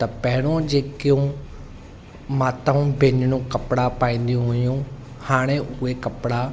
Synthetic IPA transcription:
t̪ɐpɐɦɪɽ̃õd͡ʑeːkijũ | maːt̪aũbʱeːnɽ̃ũkɐpɽapaːĩːn̆d̪ijũɦʊjũ | haːɽ̃eʔʊekɐpɽa

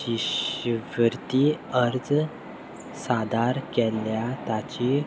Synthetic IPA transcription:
iɕʋəɾt̪iəɾd͡z | sad̪aɾkɛljat̪at͡ɕi

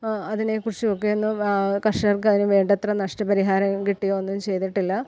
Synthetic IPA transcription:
ɐðinekurt͡ɕːiokːeonːukɐʂɐrkɨɐðinɨʋeːɳɖɐt̪rɐnɐʂʈɐpɐɾiɦaːɾɐmkiʈːijoːonːumt͡ɕe̞jt̪iʈːilːɐ

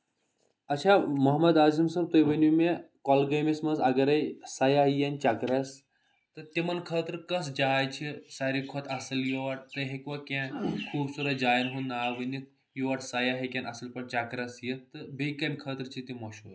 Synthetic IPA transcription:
ɐt͡ʃʰamɐɦmɐd̪aːzimsɐb̚t̪ɐjʋɐnumekɔlɡɐjmismɐnzɐɡɐɾɐjsɐjaɦjɐnʲt͡ʃakɾɐs | t̪ɨt̪imɐnkʰɐːt̪ɾkɐsd͡ʒaːjt͡ʃʰisɐɾikʰot̪ʰɐsɐljoʋɐʈ̚t̪ɐɦekʋɐkẽkʰuːbsuɾɐd͡ʒaːjnɦunnːaːʋɐni | juʋɐʈsɐjaɦɐkʲenɐsɐlpɐɳt͡ʃakɾɐsjit̪ɨbejkɐmʲkʰəːt̪ɾt͡ʃʰit̪imɐʃul

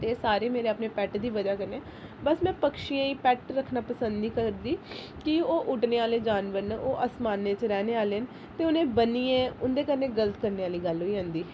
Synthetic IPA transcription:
t̪eːsaːɾeːmeːɾeːəpneːpɛːʈd̪iːʋəd͡ʒaːkəɾnɛː | bəsmɛ̃ːpəkʃijãːiːpɛːʈɾəkʰːnaːpəsə̃nd̪iːkəɾd̪iː | kɪoːʔʊʈneːaːleːd͡ʒaːnʋəɾnoːʔaːsmaːnːeːt͡ʃɾɛːneːaːleːɦən | t̪eːʊnẽːbəniːɛ̃ːʊnd̪eːkəɾnẽːɡələt̪kəɾneːaːliːɡəlɦoːiːɦə̃ːnd̪iː

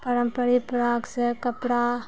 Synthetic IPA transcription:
pɐɾɐmpɐɾipɾaːksekɐpɽaː

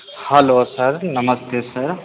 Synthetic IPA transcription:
hɐloːsɐɾnɐmɐst̪ʰesɐɾ

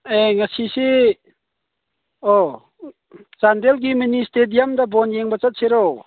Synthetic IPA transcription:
eŋasisi | ɔ | t͡ʃandelɡiministedijamdabɔnjeŋbat͡ʃat̚seɾow

